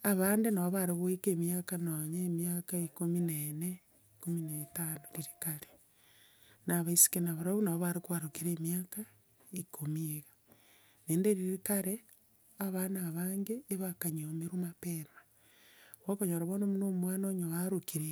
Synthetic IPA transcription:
aβaːndenaβoβaɾeɣoekeːmijakanoɲeːmjakaikominene | ikominaetanoɾiɾikaɾe̥ | naβaisi̥kenaβaɾaβunaβoβaɾekwaɾokiɾeːmjaːka | ikʰomieɣa | neːndeɾiɾikaɾe | aβanaβaːŋɡeːβakaɲomeɾumapeɾa | βokoɲoɾaβonomunomwaːnoɲowaɾokiɾe

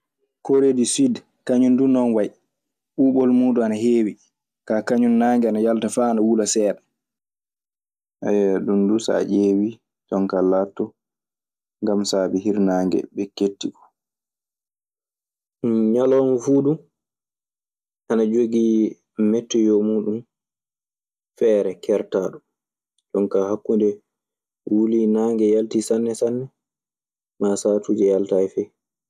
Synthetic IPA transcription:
koɾedisid | kaɲundunɔnwaj | ɓuːɓɔlmuːduanaɦeːwi | kaːkaɲunːaːŋɡɛanajaltafaːnawulasɛːɓɛ | ʔajɗundusa̰ʔeːwi | tɔŋkalːatːɔ | ŋɡamsaːɓɛɦiɾnaːŋɡɛ̰ɓɛketːikɔ̥ | ɲalɔnfuːɗum | ʔanad͡ʒoɡi | mɛtːɔjɔmuːɗum | fɛːɾɛkʰɛɾtaːɗɔ | ɗɔnkahakːundɛ | wulinaːŋɡɛjaltisanːɛsanːɛ | maːsaːtud͡ʒɛjaltajfɛ

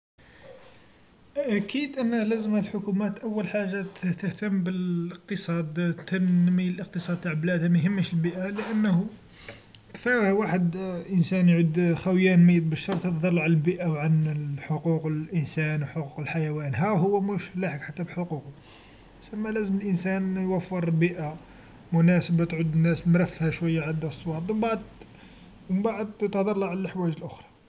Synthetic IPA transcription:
ʔækid̪ʔənːəhlæzəmhælħʊkumæt̪ʔæwːəlħaʒːat̪əht̪əht̪əmːbələq̚t̪əsˤɑd̪t̪ʰːənːiəlʔəq̚t̪əsˤɑd̪̚t̪ːaʕblæd̪hæmæjɦəmːæʃəlbiʔaləʔənːhu | kt̪iɾhwaħəd̪ʔənsænjʕud̪xæwjænmijːət̪̚bəʃːɑɾˤt̪ət̪d̪ˤɑlˤːʕanəlbiʔawʕanħoquqəlʔənsænwħoquqəlħajæwænɦæɦʊwːæmuʃlaħəkħat̪ːæbħoququ | sæmːælæzəməlʔənsænjwæfːəɾˤbiʔa | mʊnæsəbat̪ʕʊd̪nːæsmɾæfːhæʃwæjːaʕad̪æsˤːwɑt̪ˤbəbaʕd̪ˤ | wbaʕəd̪t̪hd̪ˤɑɾˤlɑʕləʔəħwæjʒəlʔʊxɾˤɑ

